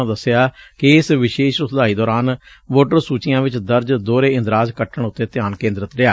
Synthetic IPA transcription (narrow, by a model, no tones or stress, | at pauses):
d̪əsːɪjaːkɪɪsʋɪʃeːʃʊsd̪aːiːd̪ɔːɾaːn | ʋoːʈəɾsuːt͡ʃɪjãːʋɪt͡ʃd̪əɾd͡ʒd̪oːɾeːɪ̃nd̪ɾaːd͡ʒkəʈʰəɳ̃ʊt̪ːeːt̪ɪjaːnkẽːnd̪ɾət̪ɾɪaː